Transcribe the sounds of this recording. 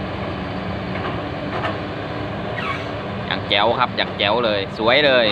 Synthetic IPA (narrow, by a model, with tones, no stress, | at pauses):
ja̰ː˨˩k̚t͡ɕɛ˧˩wkʰa˦˥p̚jaː˨˩k̚t͡ɕɛ˧˩wlɤː˧jsu˨˩˦əjlɤː˧j